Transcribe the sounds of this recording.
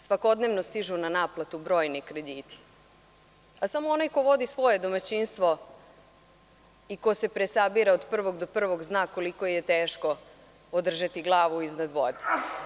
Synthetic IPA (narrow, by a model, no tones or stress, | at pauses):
sʋako̞d̪neːʋnost̪iʒunanaːplˠat̪ubɾo̞ːjnikɾe̞d̪iːt̪i̥ | asamoonajko̞ʋo̞d̪isʋo̞je̞d̪o̞mat͡ɕinst̪ʋo̞ | ikose̞pɾesabiɾaod̪pr̩ʋo̞ɡd̪o̞pr̩ʋo̞ɡznaːkolikojet̪eːʃko̞ | od̪r̩ʒat̪iɡlˠaːʋuiznad̪ʋo̰d̪e̥